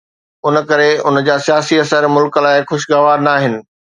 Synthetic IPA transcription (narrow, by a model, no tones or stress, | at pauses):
ʊn̆kɐɾeʊnd͡ʑaːsijaːsiɐsəɾmʊlklaːɪxʊʃɡaʋaːɾnaːɦɪnɪ̆